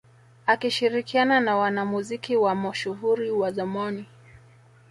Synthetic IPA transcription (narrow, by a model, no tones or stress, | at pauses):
akiʃiɾikiananawanamuzikiwamɔʃuhuɾiwazamɔni